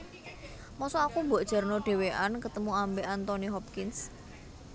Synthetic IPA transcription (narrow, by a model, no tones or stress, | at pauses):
mɔsɔakumboʔd̥ʒ̥a̤rnɔɖ̥e̤weʔankət̪əmuambeʔant̪ɔniɦɔp̚kɪns